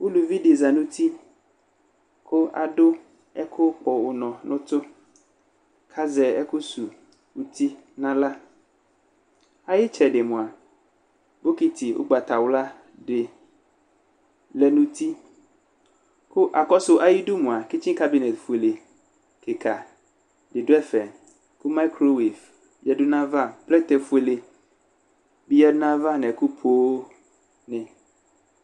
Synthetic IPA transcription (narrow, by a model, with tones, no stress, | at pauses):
wo˦lu˨vi˦ɖe˨za˨nũ˦t̪i˦ | kʰʊ˦a̰˨ɖʊ˦ | ɛ˦kʰʊ˦k͡pɔ˨wʊ˨nɔ̃˨nʊ̃˦t̪ʊ˦ | kʰa˦zɛ˨ɛ˦ku˦su˨ | wu˦t̪i˦nã˦la˦ | a˨˦jɪ˦t͡ʃɛ˨ɖe˨mũ˨a˨ | bo˦ki˦t̪ʰi˨wʔo̰˦ɡ͡ba˨t̪a˨wla˦ | ɖe˨ | lɛ˨nũ˦t̪i˦ | ku˦ʔa˨kɔ˦so˦ʔa˨ji˦ɖu˦mũ˨a˨ki˦t͡ʃĩ˦ka˦bi˨nɛ˨t̪fu˨e˨le˨ | ke˨ka˨ | ɖe˨ɖo˦ɛ˦fɛ˨ | ku˦ma˦kɾo˦wi˨f | jɛ˦ɖu˦nã˦va˦plɛ˦t̪ɛ˨fu˦e˨le˨ | bi˦jɛ˦nã˦va˦nɛ̃˨ku˦pʰo˦o˦ | nɛ̃˨